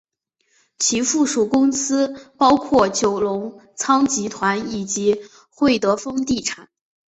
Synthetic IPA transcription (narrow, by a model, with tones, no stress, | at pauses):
t͡ɕʰi˧˥fu˥˩ʂu˨˩kʊ˥ŋsɹ̩˥pɑ˥ʊkʰwɔ˥˩t͡ɕjo˨˩ʊlʊ˧˥ŋt͡sʰɑ˥ŋt͡ɕi˧˥t̪ʰwa˧˥ni˨˩t͡ɕi˧˥ | xwe˥˩ɪt̪ɤ˧˥fɤ˥ŋt̪i˥˩ʈ͡ʂʰa˨˩˦n